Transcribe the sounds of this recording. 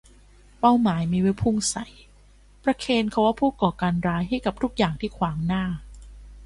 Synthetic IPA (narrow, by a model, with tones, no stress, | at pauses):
pa˥˩wmaː˩˦jmiː˧we˦˥jpʰu˥˩ŋsa˨˩˦j | pɾa˧kʰeː˧nkʰa˧˥waː˥˩pʰuː˥˩kɔː˨˩kaː˧nɾaː˧˥jɦa˥˩jka˨˩p̚t̪ʰu˦˥k̚jaː˨˩ŋt̪ʰiː˥˩kʰwaː˩˦ŋnaː˥˩